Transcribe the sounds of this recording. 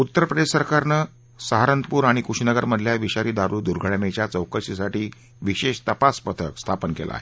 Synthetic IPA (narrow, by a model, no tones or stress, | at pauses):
ut̪ːəɾpɾəd̪eʂsəɾkaɾnəː | səɦaɾənt̪puːɾaɽ̃ikuʂnəɡəɾməd̪ʱljaʋiɕaɾiːd̪aɾuːd̪uɾɡʱəɽmet͡ɕjat͡səwkəɕisaʈiː | ʋiɕeɕt̪əpaspət̪ʰəkst̪ʰapənkela̰ːɦe